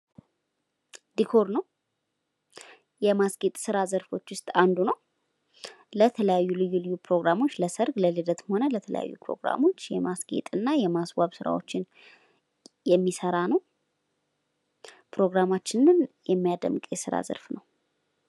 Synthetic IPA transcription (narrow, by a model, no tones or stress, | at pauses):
d̪ikʰo̞ɾnəw | jɛmasɡet̪ʼsɨɾazəɾfo̞t͡ʃːwʊst̪ʼand̪unəw | lət̪ʰələjajːulɨjːulɨjːupʰɾo̞ɡɾamo̞t͡ʃːləsəɾɡləled̪ət̪məho̞nələt̪ʰələ̰ja̰jːṵpʰɾo̞̰ɡɾa̰mo̞t͡ʃːjɛ̰masɡ̥ḛt̪ʼɨnːajɛmasbaβsɨɾa̰wot͡ʃːɪn | jɛmːisəɾanəw | pɾo̞ɡɾamat͡ʃːɪnɨnjɛmːijad̪ə̰mkʼjɛsɨɾa̰zə̰ɾfnəw